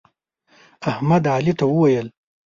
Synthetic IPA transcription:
ahmad̪ʕalit̪awuwɐjɐl

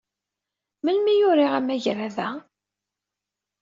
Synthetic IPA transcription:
məlmijʊɾiʁæmːæʝɾæðæ

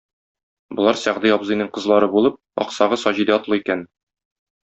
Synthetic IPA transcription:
bŏlˠɑɾsɒʁd̪iɒbzɤ̆jnɤɴqɤ̆zlˠɑɾɤbulˠɤp̚ɒ̰qsɑʁɤsɒʑid̪æɒt̪lˠɤikæn

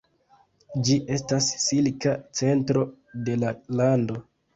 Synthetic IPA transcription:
d͡ʒiʔe̞stassilkat͡se̞ntɾo̞ | de̞lalando̞

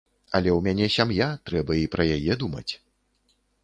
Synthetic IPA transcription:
ɐlʲɛwmʲanʲɛsʲamjat̪ɾɛbɐipɾɐjajɛd̪umɐ̰t͡sʲ

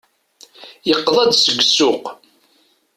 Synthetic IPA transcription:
jəqːðˤɑd̪səɡʷːsʊq

